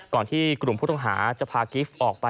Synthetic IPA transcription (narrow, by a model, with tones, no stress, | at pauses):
kɔː˨˩nt̪ʰiː˥˩kɾu˨˩mpʰu˥˩t̪ɔ˥˩ŋɦaː˩˦t͡ɕa˨˩pʰaː˧ki˦˥fʔɔː˨˩k̚pa˧